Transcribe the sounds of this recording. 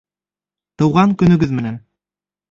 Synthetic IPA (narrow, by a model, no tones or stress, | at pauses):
t̪ɤ̆wʁɑŋkɵ̆nɵ̆ɡɵðmɘ̆næn